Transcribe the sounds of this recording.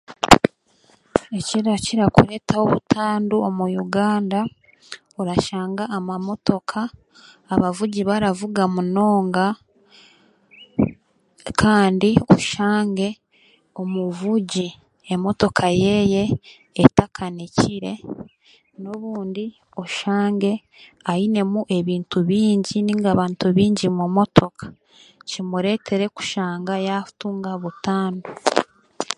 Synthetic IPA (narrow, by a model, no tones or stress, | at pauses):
eciɾaciɾakṵɾe̞taoβutʰaːnduomujuɡaːnda | oɾaʃaːŋɡaːmamo̞to̞kʰaː | βavuɟiβaɾavuɡamuno̞ːŋɡa | kʰaːndio̰ʃaːŋɡe̞ | o̞muvuɟi | emo̞to̞kʰaje̞je̞ː | takʰaneciɾe̞ | no̞βuːndi | oʃaːŋɡe̞ | aine̞muʔe̞βiːntuβiːɲɟiniŋɡaβaːntuβiːɲɟimumo̞tʰo̞kʰḁ | cimuɾe̞tʰe̞ɾe̞ku̥ʃaːŋɡajafu̥tuːŋɡaβutaːndo